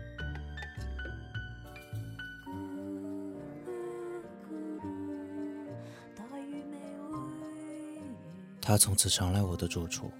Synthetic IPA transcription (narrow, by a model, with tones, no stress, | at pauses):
ku˧ | kʰu˧˩ | t̪a˧˥y˧me˧˩ɪwe˥ | t̪ʰa˥t͡sʰʊ˧˥ŋt͡sʰɹ̩˨˩ʂʰɑ˧˥ŋla˧˥ɪwɔ˨˩d̪ə˦ʈ͡ʂu˥˩ʈ͡ʂʰṵ˨˩